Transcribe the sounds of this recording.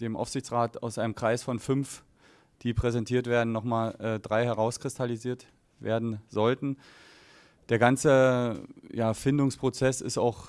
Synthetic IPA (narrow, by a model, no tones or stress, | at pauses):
d̥eːmʔa̰ʊfz̥ɪçt͡sʁaːta̰ʊsʔaɪnəmkʁ̥aɪsfɔnfʏnf | d̥iːpʁ̥ɛzɛntʰiːɐtv̥eːɐdn̩nːɔχmaːlʔɛːdʁaɪhɛʁaʊskʁ̥ɪstʰaliziːɐt | vḛːɐdn̩zɔltn̩ | d̥eːɐɡant͡sə | jaːfɪndʊŋspʁ̥ot͡sɛsɪ̰sta̰ʊx